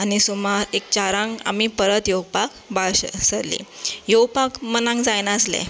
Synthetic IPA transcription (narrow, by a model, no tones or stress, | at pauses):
añisumaɾek̚t͡ɕaɾãŋɡa̰mipəɾət̪jowpak | baɭɕsəɾlḭjowpakmənãŋɡd͡zajnaəslɛ̰̃